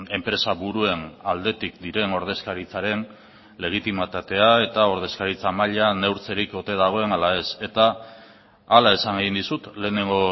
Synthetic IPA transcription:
e̞mpɾe̞saβuɾue̞nald̪e̞t̪ik̚d̪iɾe̞no̞ɾð̞e̞skaɾit͡saɾe̞n | le̞ɣ̞it̪imat̪at̪e̞ae̞t̪ao̞ɾðe̞skaɾit͡samaʎane̞wɾt͡se̞ɾiko̞t̪e̞ðaɣ̞o̞e̞nalae̞se̞t̪aː | lae̞saŋeɣ̞ind̪isut̪le̞ːne̞ŋɡo̞

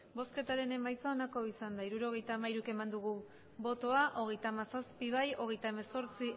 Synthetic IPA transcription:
bo̞ske̞t̪aɾe̞ne̞majt͡saonako̞isand̪aiɾuɾo̞ɣ̞e̞jt̪aːmaiɾuke̞mand̪uɣ̞u | βo̞t̪o̞aʔo̞ɣe̞jt̪aːmasaspiβajo̞ɣ̞e̞jt̪ae̞me̞so̞ɾt͡si

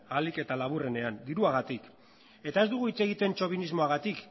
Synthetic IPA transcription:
alike̞t̪alaβ̞ure̞ne̞and̪iɾuaɣ̞at̪ik | e̞t̪ae̞zd̪uɣ̞uit͡se̞ɣ̞it̪e̞nt͡ʃo̞β̞inizmo̞aɣat̪ik

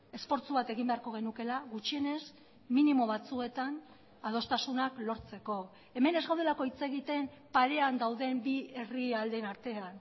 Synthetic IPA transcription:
e̞sfo̞ɾt͡suβat̪e̞ɣimbe̞aɾko̞ɣ̞e̞nuke̞laɣut͡ʃie̞ne̞s | minimo̞β̞at͡sue̞t̪an | að̞o̞st̪asunaklo̞ɾt͡se̞ko̞ | e̞me̞ne̞zɣawð̞e̞lako̞it͡se̞ɣit̪e̞mpaɾe̞and̪awðe̞mbie̞riald̪enaɾt̪e̞an

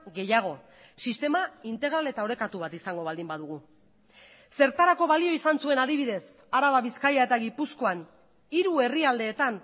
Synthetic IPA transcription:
ɣe̞jaɣ̞o̞ | sist̪e̞maint̪e̞ɣ̞ɾale̞t̪ao̞ɾe̞kat̪uβat̪isaŋɡo̞β̞ald̪imbaðuɣ̞u | se̞ɾt̪aɾako̞βalio̞isansue̞naðiβ̞iðe̞s | aɾaβaβiskajaet̪aɣipusko̞an | iɾue̞riald̪e̞ːt̪an

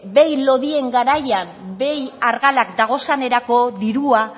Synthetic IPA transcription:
be̞jlo̞ðie̞ŋɡaɾajambe̞jaɾɣalakd̪aɣ̞o̞sane̞ɾako̞ðiɾua

